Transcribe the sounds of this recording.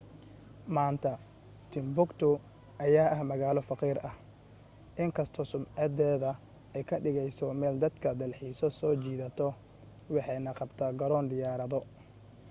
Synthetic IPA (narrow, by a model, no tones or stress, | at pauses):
maːnt̪ʰɐ | t̪ʰɪmbʊkt̪ʰʊ | ʔɐjaːʔɐhmɐɣaːlɔfɑqiːɾʔɐh | ʔɪŋkʰɐst̪ʰɔsʊmʕɑd̪ɛːðɐ | ɛjkʰɐɖɪɣɛjsɔmɛːld̪ɐd̪kʰɐd̪ɐlħiːsɔsɔːt͡ʃiːðɐt̪ʰɔ | wɑħɑjnɐqɑbt̪ʰaːɡɐɾɔːnd̪ɪjaːɾɐðɔ